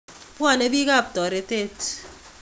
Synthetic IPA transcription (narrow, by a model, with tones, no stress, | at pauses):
pwa˦˨ne˦bi˦ka˦˨p̚tɔ˨ɾe˨˦te˦t